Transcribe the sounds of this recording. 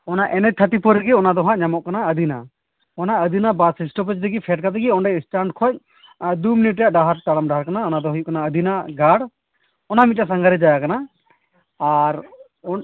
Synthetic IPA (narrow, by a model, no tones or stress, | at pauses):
ɔnaʔɛnɛt̪ʰat̪ipɔɾɛɡiɔnad̪ɔɦãʔɲamɔʔkanaəd̪ʱina | ɔnaəd̪inabasisʈɔp̬ɛt͡ʃd̪ɛɡipʰɛʈ̚kat̪ɛɡiɔɳɖɛjsʈaɳɖkʰɔc̚ | d̪uminiʈ̚ːɛjaʔɖaɦaɾt̪aɽamɖaɦaɾkanaɔnad̪ɔɦujuʔkanaəd̪ʱinaɡaɽ | ɔnamit̪̚jasaŋɡaɾɛd͡ʒajakana | aɾ | ɔ